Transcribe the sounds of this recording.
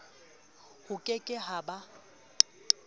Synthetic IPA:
hʊkʼekʼɪɦaba

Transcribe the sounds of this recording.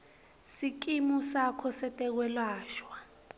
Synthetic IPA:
sik̬ʼimusakʰɔsɛtʼɛk̬wɛlaːʃwa

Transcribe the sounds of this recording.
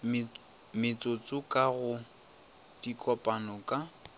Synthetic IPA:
mɪt͡sʼʊt͡sʼʊkʼaɣʊ | d̥ikʼɔpʼanɔkʼa

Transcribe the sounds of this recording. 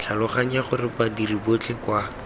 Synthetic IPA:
t͡ɬʰalʊχaɲ̩jaχʊrɪpadiribot͡ɬʰekwa

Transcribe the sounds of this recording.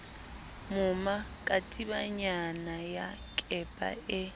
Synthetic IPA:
mʊmakʼatʼibaɲanajakʼɛpʼa̰ɪ

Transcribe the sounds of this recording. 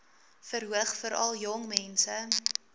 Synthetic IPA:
fəɾɦuəχfəɾʔɐ̰lˠjɔŋmɛnsə

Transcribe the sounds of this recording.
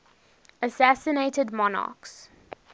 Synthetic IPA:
əsæsəneɪtədmɔnɑ̰ːˑks

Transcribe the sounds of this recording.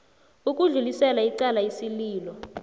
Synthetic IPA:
uk̬ʼuɮulisɛlaiǀalajisiliːlɔ

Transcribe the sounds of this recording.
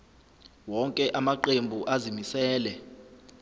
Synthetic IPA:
wɔŋkʼɛʔamaǃembʱuʔazimisɛːlɛ

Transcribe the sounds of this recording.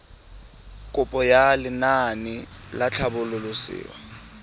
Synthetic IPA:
kʼʊpʼɔjalɪnanɪlat͡ɬʰabʊlʊlʊsɪ̰ːwa̰

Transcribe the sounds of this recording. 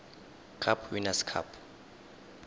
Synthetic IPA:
kʰapʰwinaskʰa̰pʰ

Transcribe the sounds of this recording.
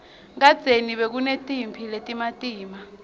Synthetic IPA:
ŋad̥d͡z̥ʱeniɓek̬unetʼimpʰiletʼimatʼiːma

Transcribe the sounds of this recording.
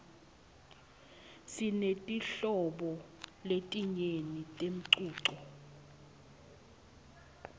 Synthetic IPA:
sinetʼiɬɔɓɔletʼiɲenitʼem̩ǀuːǀɔ

